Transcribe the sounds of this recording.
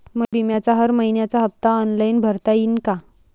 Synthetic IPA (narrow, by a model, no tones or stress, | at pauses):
məɡbʱimjat͡saɦəɾməinjat͡saɦəp̚t̪aɔnlainbʱəɾt̪aiːnka